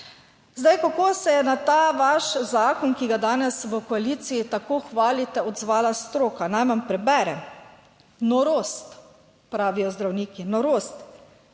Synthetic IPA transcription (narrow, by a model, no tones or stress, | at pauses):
zd̪ajkakoːsɛjɛnat̪aːʋaʃzaːkɔnkiɡad̪aːnɛsʋəkɔaliːt̪siit̪akoːxʋaːlit̪ɛɔd̪zʋaːlast̪ɾoːkanajʋampɾɛbɛːɾɛ | nɔɾoːst̪ | pɾaːʋijɔzd̪ɾawniːkinɔɾost̪